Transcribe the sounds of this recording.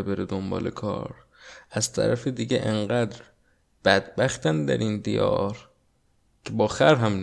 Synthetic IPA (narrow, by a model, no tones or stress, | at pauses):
ebeɾed̪ombɒ̰ːlekʰɒ̰ːɾ | ʔæz̥t̪ʰæ̰ɾæfed̪iːɟeʔeɴɢæːd̪ɾ | b̥æd̪bæxt̪ænd̪æ̰ɾind̪ḭjɒ̰ːɾ | cʰebɒːxæɾɦæmn